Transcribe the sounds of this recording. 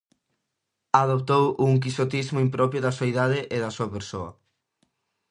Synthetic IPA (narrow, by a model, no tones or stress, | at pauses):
aðopt̪owuŋk̬isot̪izmoimpɾɔpɾjʊðɐsuaiðaðɪʔeðɐsuɐpeɾso̰ɐ̰